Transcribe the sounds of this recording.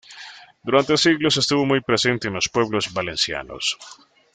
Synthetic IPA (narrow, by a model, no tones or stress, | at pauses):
d̪uɾant̪esiɣlosest̪uβo̞mujpɾesent̪eːnlo̞spwe̞β̞lozβalensja̰no̰s